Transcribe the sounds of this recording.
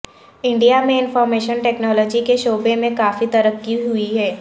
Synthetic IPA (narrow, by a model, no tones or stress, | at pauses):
ɪ̃ɳɖijamẽɪ̃nfɔːɾmeːʃənʈɛːknɔːlɔːd͡ʒikeʃoːbemẽkaːfit̪ɐɾəkːiɦʊiɦɛː